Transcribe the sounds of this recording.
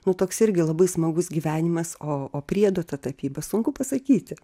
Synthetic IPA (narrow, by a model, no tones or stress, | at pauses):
nʊt̪oːksɪɾʲɡʲɪlˠɐbɐɪsmɐɡʊsɡʲiːʋʲæːnʲɪmɐsoːoːpʲɾʲiɛd̪oːt̪ɐt̪ɐpʲiːbɐsʊŋkʊpɐsɐkʲiːt̪ʲɪ